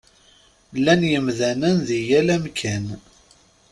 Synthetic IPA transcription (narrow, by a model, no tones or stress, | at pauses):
lːænjəmðænənðijælæmkʰæn